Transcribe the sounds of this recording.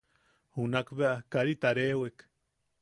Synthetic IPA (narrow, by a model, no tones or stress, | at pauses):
hunakbeʔakaɾit̪aɾewek